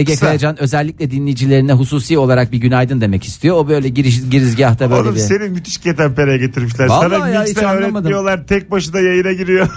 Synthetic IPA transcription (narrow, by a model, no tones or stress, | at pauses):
eɟɛkʰajad͡ʒanø̞zɛlʲːiclʲɛd̪inlʲejid͡ʒilʲe̞ɾinɛɦusuːsijo̞lˠaɾak̚biɟynajd̪ɯnd̪e̞mɛci̥st̪ʰijo̞obø̞jlʲɛɟiɾiʃɟiɾizɟiaht̪ʰabøjɾlʲebise̞nimyt̪ʰi̥ʃcʰet̪ʰænpeɾejɛɟe̞t̪ʰiɾmiʃ̬lʲæɾalaɾajaianølːɾˠeamad̪ɯijolˠaɾt̪ʰɛc̚baʃɯd̪ajajɯnaɟiɾijo